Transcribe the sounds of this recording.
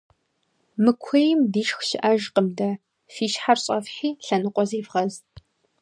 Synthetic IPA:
mɨkʷʰɐjɪmdiːʃxʃɪʔaʒqəmdɐ | fiːʃħarɕʼɐfħiːɬɐnɨqʷʼɔziːvʁɐz

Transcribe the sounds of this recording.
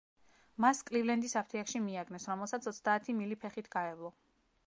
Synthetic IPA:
maskʼlivlɛnd̪isapʰt̪ʰiakʃimiaɡnɛsɾɔmɛlˠsat̪sʰɔt̪sd̪aːt̪ʰimilipʰɛχit̪ʰɡ̥aɛvlˠɔ

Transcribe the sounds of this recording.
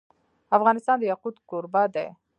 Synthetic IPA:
afɣɑnɪst̪ɑnd̪əjaqud̪kʊɾbad̪ḛ

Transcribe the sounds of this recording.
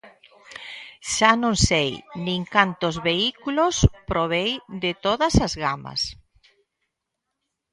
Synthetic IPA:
ʃanõŋsejnĩŋkant̪ozβeikulospɾoβ̞ejd̪ɪt̪oðɐsazɣamɐ̰s

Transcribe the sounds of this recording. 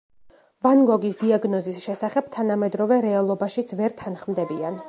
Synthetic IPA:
vanɡɔɡisd̪iaɡnɔzisʃɛsaχɛb̥̚t̪ʰanamɛd̪ɾɔvɛɾɛalˠɔbaʃit̪sʰvɛɾt̪ʰanχmd̪ɛbian

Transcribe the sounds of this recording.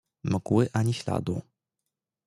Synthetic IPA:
mɨɡwɘʔaɲʲiɕla̰d̪ṵ

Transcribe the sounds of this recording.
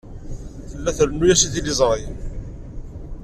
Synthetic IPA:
θəlːæθɾənujæsiθilizˤɾˤi

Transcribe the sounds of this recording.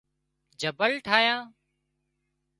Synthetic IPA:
d͡ʒəbəlʈʰaːjãː

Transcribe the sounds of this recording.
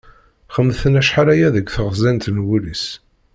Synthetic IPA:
χəmːθənæʃħaɾæjæðəɡʷθəʁzænt̪nwulis

